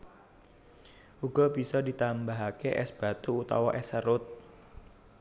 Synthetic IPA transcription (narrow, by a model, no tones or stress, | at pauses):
ʔuɡ̥ɔ̤bi̤sɔdit̪ambaɦakeʔɛ̰sb̥a̤t̪uːt̪ɔwɔʔɛsəɾʊt̪̚